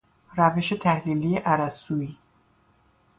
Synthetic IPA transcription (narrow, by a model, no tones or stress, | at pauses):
ɾæveʃet̪ʰæhliːlijeʔæɾæsuiː